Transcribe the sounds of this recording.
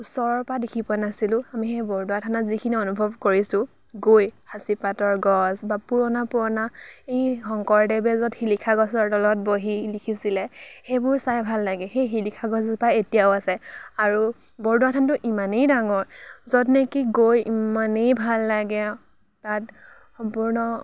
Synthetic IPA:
usɔɹɔpadekʰipʊanasilʊ̃amixebɔɹduwatʰanazikʰiniɔnubʱɔbkoɹisʊ̃ | ɡojhasipatɔɹɡɔsbapuɹɔnapʊɹɔnaejxɔŋkɔɹdɛbɛzɔtxilikʰaɡɔsɔɹdɔlɔt̚boɦilikʰisilɛxejbʊɹsajbʱalːaɡɛxejxilikʰaɡɔsbaetijaʊasɛaɹu | bɔɹduwatʰantʊʔimanejdaŋɔɹzɔdnɛkiɡojimanejbʱalːaɡɛ | tat | xɔmpuɹnɔ

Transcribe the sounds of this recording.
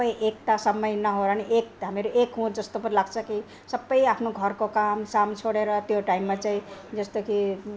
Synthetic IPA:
bʌjʔek̚t̪asʌmːʌjnʌɦoɾʌniʔek̚ɦameɾoʔekɦũd͡zʌst̪opʌɾlaɡt͡sʰʌki | sʌbːʌjapʰnoɡʱʌɾkokamsamt͡ʃʰoɽeɾʌt̪joʈaimːat͡saĩd͡zʌst̪oki

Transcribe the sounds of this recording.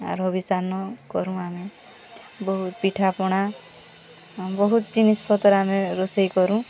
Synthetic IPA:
a̰ɾɔbisanɔkɔɾũame | bɔɦut̪piʈʰapɔɽ̃a | bɔɦut̪ɔt͡ʃinispʰɔt̪ɔɾameɾosejkɔɾũ

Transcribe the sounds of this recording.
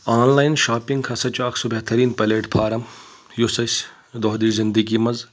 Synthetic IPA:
aːnlaːjnʃaːpɪŋɡkʰɐsɐt͡ʃaːkʰsɔbɛɦt̪ɐɾiːnpɐleːʈpʰaːɾɐm | jusɐsʲ | d̪ɔːɦd̪iːzɪnd̪əɡimɐz

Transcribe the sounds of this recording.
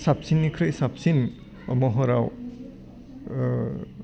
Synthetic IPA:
sap̚sinːikʰɾɯjsap̚sin | mɔɦɔɾaw

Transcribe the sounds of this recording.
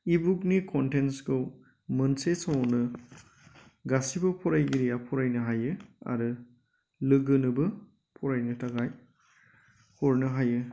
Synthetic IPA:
ibuk̚nikʰɔntensɡɯw | mɐnsesawawnɯ | ɡasibɐpʰɔɾajɡiɾijapʰɔɾajnɯɦajɯa̰ɾɯ | lɯɡɯnɯbɯ | pʰɔɾajnɯtaɡaj | hɔɾnɯɦajɯ

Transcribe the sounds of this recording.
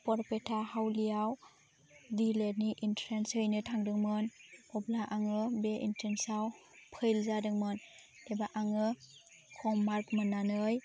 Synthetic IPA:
pɔɾpetʰahawlijaw | dilet̚niʔintɾensɯjnɯtʰaŋdɯŋmɯnɔblaʔaŋɯbeʔḭntʰɾensawpʰɯjlzadɯŋmɯn | ebaʔaŋɯ | kʰɔmːaɾkmɯnːanɯj

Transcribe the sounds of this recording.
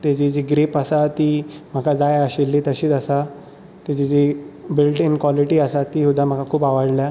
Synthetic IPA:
t̪ed͡ʑid͡ʑiɡɾipəsat̪iːm̤əkʰad͡zajəɕilːit̪əɕiːt̪əsa | t̪ed͡ʑid͡ʑibilʈinkʋɔliʈiːəsat̪iːɦud̪am̤əkakʰuːpaʋəɽlja

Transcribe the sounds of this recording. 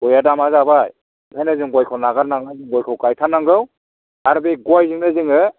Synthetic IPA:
ɔjadamazabaj | hʰajnazɯŋɡwajkʰɯwnaɡaɾnaŋazɯŋɡɔjkʰɯwkajtʰanaŋɡɯw | aɾbeɡwajziŋnɯzɯŋɯ

